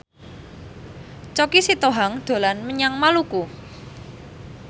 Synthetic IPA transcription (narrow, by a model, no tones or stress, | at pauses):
t͡ʃɔkisit̪oɦaŋd̪̥o̤lanməɲaŋmaluku